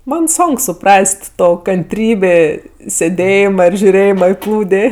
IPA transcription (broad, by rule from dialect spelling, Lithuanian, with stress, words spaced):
ˈmɐn ˈsoːŋk sʊˈprɐsʲtʲ ˈtoː kɐnʲˈtʲrʲiːbʲeː sʲeːˈdʲeːjɪmɐ ɪr ʒʲʊˈrʲeːjɪmɐ ɪ ˈplˠuːdʲeː